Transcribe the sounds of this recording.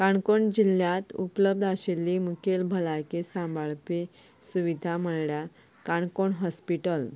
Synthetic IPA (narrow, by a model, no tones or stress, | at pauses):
kaɳkoɳd͡ʑiljat̪upləb̚d̪ʱaɕelːiːmukʰelbʱəlajkesãmbaɭpe | suʋid̪ʱaməɭɭja | kaɳkoɳɦɔspiʈəl